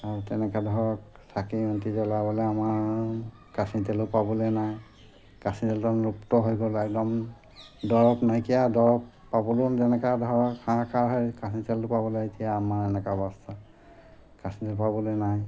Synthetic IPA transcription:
aɹutɛnɛkadʱɔɹɔk | sʰakiuntizɔlabɔlɛamaɹ | kasintɛlʊpabɔlɔjnaj | kasintɛltɔnɹuptɔɦojɡɔlajdɔm | dɔɹɔpnajkijadɔɹɔp | pːabɔlunzɛnɛkadʱɔɹɔkxaakaɹɦɔjkasintɛlʊpabɔlatijaːmaɹɛnɛkabɔsta | kasintɛlpabɔlɔjnaj

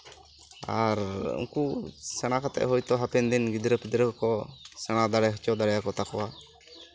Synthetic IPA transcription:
a̰ɾṵŋkusɛɽ̃akat̪ɛ̰ʔɦɔjt̪ɔɦapɛnd̪inɡid̪ɾəpɛd̪ɾəkɔsɛɽ̃ad̪aɽɛɦɔt͡ʃɔd̪aɽɛjakɔt̪akɔwa

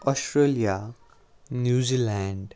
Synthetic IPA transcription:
ɔsʈɾelija | njuzilaɳɖ

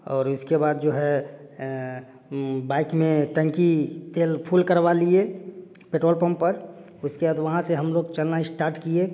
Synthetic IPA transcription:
ɔːɾʊskebaːd̪̚d͡ʒoːɦɛ | baːɪkmẽʈə̃ŋkit̪eːlpʰuːlkəɾbalie | peʈɾoːlpə̃mpəɾ | ʊskebaːd̪ʋɐɦãseɦəmloːɡt͡ʃəlnaɪsʈaːɾʈkie

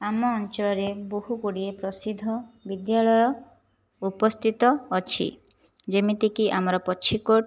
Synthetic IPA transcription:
amɔːnt͡ʃɔɭɔɾeboɦukuɽiepɾɔsid̪ʱːɔbid̪jaɭɔjɔ | upɔst̪ʰit̪ɔːt͡ʃʰḭ | d͡ʒemit̪ikiʔamɔɾɔpɔt͡ʃʰikoʈ

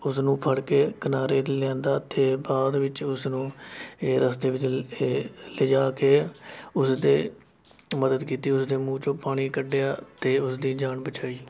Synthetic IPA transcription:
ʊsnũːpʰəɽkeːkənaːɾeːd̪lɛ̃ːnd̪aːt̪ʰeːbaːd̪ʋɪt͡ʃʊsnũːeːɾəst̪eːʋɪt͡ʃː | led͡ʒaːkeːʊsd̪eː | məd̪əd̪kiːt̪iːʊsd̪eːmũːt͡ʃõːpaːɽ̃iːkəɖejaːt̪eːʊsd̪iːd͡ʒaːɳbət͡ʃaːiː

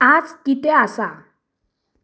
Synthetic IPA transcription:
at͡skit̪easa

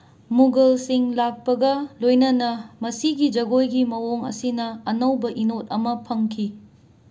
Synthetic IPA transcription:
muɡɐlsiŋlak̚pɐɡɐlojnɐnɐmɐsiɡid͡ʒɐɡojɡimɐwoŋɐ̰sinɐːnɐwbɐʔinot̚ɐmɐpʰɐŋkʰi

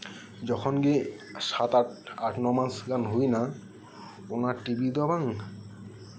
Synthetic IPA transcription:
d͡ʑɔkʰɔnɡe | ʃat̪aʈaʈnɔmasɡanɦojna | onaɾʈibid̪ɔbaŋ

